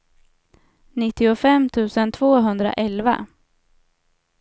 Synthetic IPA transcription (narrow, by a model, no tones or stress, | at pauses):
nɪt̪ːɪʊfɛmːt̪ʰʉ̟ːsənt̪ʰvoːɦɵnd̪ɾa̰ʔɛlva̰